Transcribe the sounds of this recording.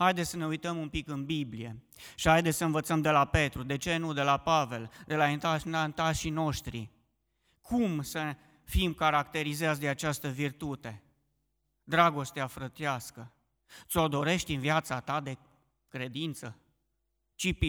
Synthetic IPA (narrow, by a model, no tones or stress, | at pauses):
hajd̪esʲəne̞ujt̪əmumpikɨnbiblije̞̰ | ʃihajd̪esʲsəɨnvət̪səmd̪e̞lape̞t̪ɾud̪e̞t͡ʃe̞nud̪e̞lapave̞ld̪e̞laint̪anant̪aʃino̞ʃt̪ɾḭ | kʰumsə | fimkaɾakt̪e̞ɾizeas̬ʲd̪eat͡ʃast̪əvirt̪ut̪e̞ | d̪ɾaɡo̞st̪eafɾət̪iaskə | t̪so̞d̪o̞ɾe̞ʃt̪ʲɨnviat̪sat̪ad̪e̞ | kɾe̞d̪int̪sə | t͡ʃip